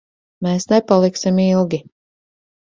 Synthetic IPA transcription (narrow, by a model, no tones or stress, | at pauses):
meːsnepalˠiksimilˠɡʲi